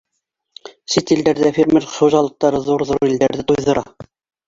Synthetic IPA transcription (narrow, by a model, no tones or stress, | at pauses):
sit̪ild̪æɾðæfʲeɾmʲeɾχŭʒɑlˠɤ̆q̚t̪ɑɾɤðuɾðuɾild̪æɾðɘt̪ujðɤ̆ɾʔɑ